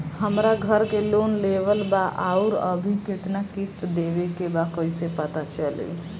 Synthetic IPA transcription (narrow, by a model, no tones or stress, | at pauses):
həmɾaɡʱəɾkelonlebəlbaʔauɾə̰bʱiket̪nakist̪d̪ebekebakəjsepət̪at͡ʃəlḭ